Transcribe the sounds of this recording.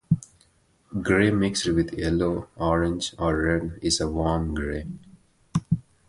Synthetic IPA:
ɡɾeːmɪksʋɪd̪jɛloːɔːɾɪ̃nd͡ʒɔɾːɛnɪzəʋɔːɾmɡɾeː

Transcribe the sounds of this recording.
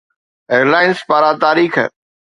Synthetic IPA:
eːəɾlaːɪnspaːɾaːt̪aːɾiːx

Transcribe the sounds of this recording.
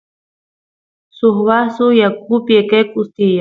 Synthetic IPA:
suxβasujak̚upiekekʼust̪ija

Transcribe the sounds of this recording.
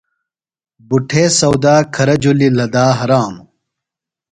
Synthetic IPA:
buʈʰeːsɐwd̪aːkʰɐɾɐd͡ʑulilɐd̪aːɦɐɾaːm

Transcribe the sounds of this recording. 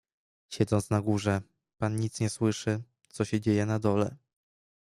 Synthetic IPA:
ɕɛd̪zɔnt̪snaɡuʐɛ | panɲit̪sɲɛswɘʂɘ | t̪sɔɕɛd͡ʑejɛnad̪ɔlɛ

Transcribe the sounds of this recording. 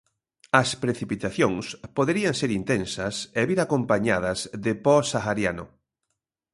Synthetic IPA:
ɐspɾeθipit̪aθjoŋspoðeɾiaŋseɾint̪ensɐseβiɾakompaɲað̞ɐzðepɔsaxaɾjanʊ̰

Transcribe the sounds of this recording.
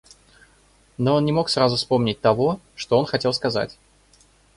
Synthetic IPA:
no̞onnʲɪmo̞ksrazʊspo̞mnʲɪt̚ʲt̪ɐvo̞ | ʂt̪oo̞nxɐtʲe̞lˠskɐza̰tʲ

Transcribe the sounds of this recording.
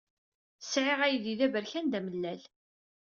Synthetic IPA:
sʕɪʁæjiðiðævəɾçænd̪æməlːæl

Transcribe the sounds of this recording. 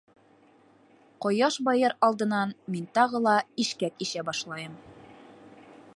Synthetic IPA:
qɒjɑʃbɑjɤɾɑlˠd̪ɤ̆nɑnmint̪ɒʁɤlˠɑiʃkækiʃæbɒʃlˠɑjɤm

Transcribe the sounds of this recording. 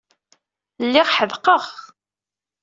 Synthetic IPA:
lːɪʁħəðqəʁ

